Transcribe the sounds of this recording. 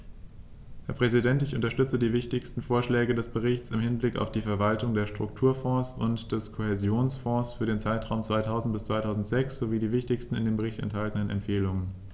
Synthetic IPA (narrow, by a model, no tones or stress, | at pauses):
hɛːɐpʁ̥ɛzidɛntɪçʔʊ̰ntɐʃtʏt͡sədiːvɪçtɪçstn̩foːɐʃlɛːɡədɛsb̥əʁɪçt͡sɪmhɪnblɪka̰ʊfd̥iːfɛɐvaltʊŋdeːɐʃtʁ̥ʊk̚tʰuːɐfɔ̃ːsʊntd̥ɛskʰohɛzjoːnsfɔ̃ːsfyːɐɾeːnt͡saɪtʁ̥aʊmt͡sv̥aɪtʰaʊzn̩t̚b̥ɪst͡sv̥aɪtʰaʊzn̩tz̥ɛksz̥oviːdiːvɪçtɪçstn̩ɪndeːmbəʁ̞ɪçtɛ̰nthaltən̩ənɛ̰mfeːlʊŋən